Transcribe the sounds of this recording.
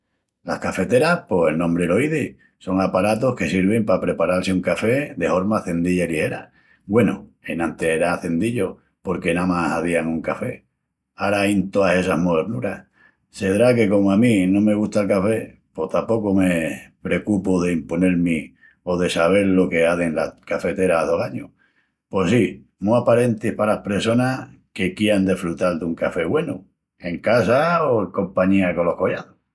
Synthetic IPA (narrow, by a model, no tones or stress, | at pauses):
lahkafe̞t̪eɾahpo̞selnõmbɾeloiði | so̞ŋapaɾat̪o̞hke̞siɾβ̞e̞mpapɾe̞paɾalseuŋkafe̞ðe̞fo̞ɾmaθe̞nd̪iʎailihe̞ɾa | ɡwe̞noe̞nãnt̪e̞eɾaθe̞nd̪iʎo̞ | po̞ɾke̞namasaðiaŋuŋkafe̞ | aɾaajnt̪o̞ase̞sahmoeɾnuɾah | se̞ðɾake̞ko̞moamĩnõ̞me̞ɣ̞ust̪aelkafe̞ | po̞t̪apo̞kome̞pɾe̞kupoðe̞impo̞ne̞ɾmi | o̞ðe̞saβ̞e̞ɾlo̞ke̞aðeŋlakafe̞t̪e̞ɾaðohaɲu | po̞si | muapaɾe̞nt̪ihpalahpɾeso̞nake̞kjeand̪efɾut̪ald̪uŋkafe̞ɣwe̞nu | e̞ŋkasaoŋko̞mpaɲiako̞lo̞hko̞jaðo